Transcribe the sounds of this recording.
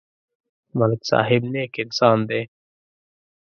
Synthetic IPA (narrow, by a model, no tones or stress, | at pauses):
məlksa̰ːɦɪbneːkɪksaːnd̪eː